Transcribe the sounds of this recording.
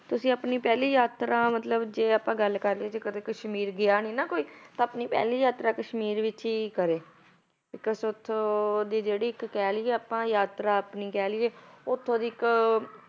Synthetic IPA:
t̪ʊsĩːəpniːpɛːliːjaːt̪ɾaːmət̪ləbd͡ʒeːapãːɡəlkəɾleːt͡ʃekət̪eːkəʃmiːɾɡɪaːniːnãːkoːiːt̪ãːəpniːpɛ̰ːliːjaːt̪ɾaːkəʃmiːɾʋɪt͡ʃiːkəɾeː | bɪkəsʊt̪ʰːd̪iːd͡ʒeːɽiːɪkːɛːliːɛːapãːjaːt̪ɾaːpniːkɛːliːeːʊt̪ʰːõːd̪iːɪk

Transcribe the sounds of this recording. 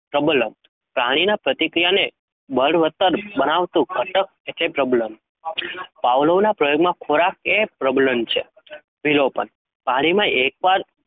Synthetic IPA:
ʈɾəbləm | pɾaɽ̃inapɾət̪ikɾijane | bəɽʋət̪əɾbənaʋt̪ũkʰəʈək̚et̪epɾɔbləm | paʋləʋnapɾəjoɡmãkʰoɾakepɾɔbləmt͡ʃʰḛ | ʋilopə̰ɳ | paɽ̃imãek̚baɾ

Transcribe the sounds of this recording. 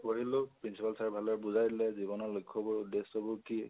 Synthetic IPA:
ɔɦilʊpɹinsipalsaɹbʱalɔɹbuzajdlɛzibɔnɔlukʰːɔbɔɹudesɔbɔki

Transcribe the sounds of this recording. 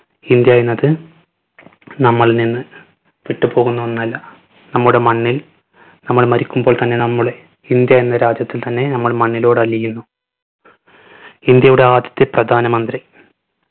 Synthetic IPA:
ind̪jaːjenːɐðɨ | nɐmːɐɭninːɨ | ʋiʈːɨpo̞ːɣunːuʋɐnːɐlːɐ | nɐmːɐɭuɽe̞mɐɳːil | nɐmːɐɭmɐɾikʲːumbo̞ːɭt̪ɐnːe̞nɐmːuɭe | ind̪jajenːɐɾaːd͡ʑjɐt̪ːilt̪ɐnːe̞nɐmːɐɭmɐɳːilo̞ːɽɨɐlːijunːu | ind̪jɐjuɽe̞aːd̪jɐ̥t̪ːeprɐd̪ʱaːnɐmɐnd̪ri

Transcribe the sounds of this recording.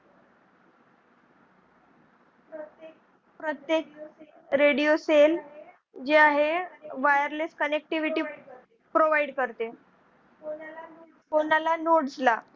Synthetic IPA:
pɾət̪jek̚ | ɾeɽijosel | d͡ʑeaɦeʋajəɾleskənek̚ʈiʋiʈiː | pɾoʋajiɽkəɾt̪e | fonalanoʈd͡zla

